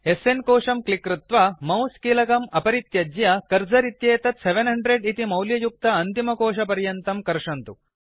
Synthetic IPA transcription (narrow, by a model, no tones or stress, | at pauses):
ɦesenkoːʂɐmklikɾut̪ʋɐmɐwskiːlɐkɐmɐpɐɾit̪jɐd͡ʒjɐkɐɾd͡ʒɐɾit̪jeːt̪ɐt̪seʋenɦɐɳɖɾeɖit̪imɐwljɐjuk̚t̪ɐɐnt̪imɐkoːʂɐpɐɾjɐnt̪ɐmkɐɾʂɐnt̪u